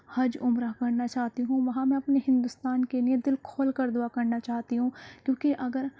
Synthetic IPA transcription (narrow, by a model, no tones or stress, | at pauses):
hɐd͡ʒʊmɾaɦkɐɾnat͡ʃaːɦt̪iɦũʋɐɦãmɛ̃ɐpneɦɪ̃nd̪ʊst̪aːnkelied̪ɪlkʰoːlkɐɾd̪ʊakɐɾnat͡ʃaːɦt̪iɦũːkjõːkiʔɐɡəɾ